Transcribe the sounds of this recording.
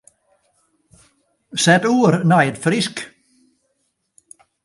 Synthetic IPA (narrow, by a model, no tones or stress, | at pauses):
sɛt̪uːɾnæɪd̪fɾɪsk